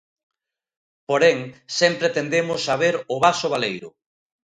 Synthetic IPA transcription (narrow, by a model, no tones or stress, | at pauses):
poɾeŋsɛmpɾet̪end̪emʊsːaβ̞eɾʊβasʊβalejɾʊ̰